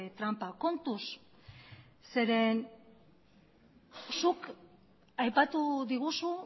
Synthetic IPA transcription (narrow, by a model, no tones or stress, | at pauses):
t̪ɾampako̞nt̪us | se̞ɾe̞n | suk | ajpat̪uðiɣusu